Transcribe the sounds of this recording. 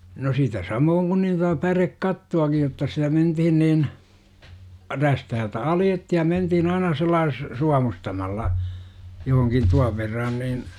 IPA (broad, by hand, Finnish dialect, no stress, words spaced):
no sitæ sɑmoːŋ kun nin totɑ pærekːɑtːuɑkij jotːɑ sitæ mentihin niːn ræstæhæltæ ɑljetːihi̥ jɑ mentihin ɑinɑ selːɑːs suɑmustɑmɑlːɑ johoŋkin tuɑʋ ʋerːɑn nin